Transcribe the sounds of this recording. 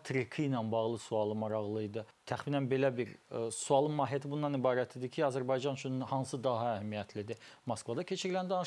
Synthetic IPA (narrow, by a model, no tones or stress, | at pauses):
t̪ʰɾikʰijnænbɑɣlˠɯsuɑlˠɯmɑɾɑɣlˠɯjd̪ɯ | t̪ʰæχminænbe̞læbiɾsuɑlˠɯmɑːɦijæt̪ʰibunːɑnibɑːɾæt̪ʰid̪icʰiɑzæɾbɑjd͡ʒɑnt͡ʃʰynhɑnsɯd̪ɑɦɑæhæmijæt̪ʰlid̪imɑskvɑd̪ɑcʰe̞t͡ʃʰiɾilænd̪ɑnɯ